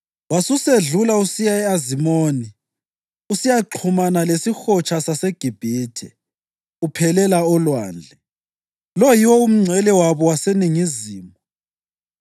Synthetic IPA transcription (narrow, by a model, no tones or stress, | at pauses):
wasuseɮulausijaɛazimoːni | usijaǃʰumanalesixɔt͡ʃʰʼasaseɡ̥ʱib̥ʱiːtʰɛ̰ | upʰɛlɛlaɔlwa̰ːnd͡ɮʱɛ | lɔjiwɔum̩ŋ͡ǀʱɛlɛwaβɔwaseniŋiziːmɔ